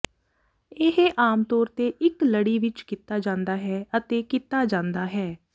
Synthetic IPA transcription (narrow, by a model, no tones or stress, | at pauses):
ɪɦeʔaːmt̪ɔːɾt̪eːʔɪkləɽiːʋɪt͡ʃkɪt̪aːd͡ʒãːnd̪aːɦɛːət̪eːkɪt̪aːd͡ʒãːnd̪aːɦɛː